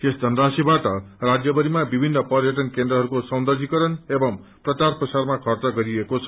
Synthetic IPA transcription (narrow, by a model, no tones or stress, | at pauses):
esd̪ʱʌnrasibaʈʌrad͡zjʌbʌɾimabibʱinːʌpʌɾjʌʈ̬ʌnkend̪rʌɦʌɾukosʌwnd̪ʌrɡʱikʌɾʌnebʌm | prʌt͡sarprʌsarmakʰʌrt͡sʌɡʌɾiekot͡sʰʌ̥